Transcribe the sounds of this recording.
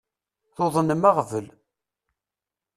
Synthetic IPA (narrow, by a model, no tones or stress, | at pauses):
θoðˤənəmaʁvəl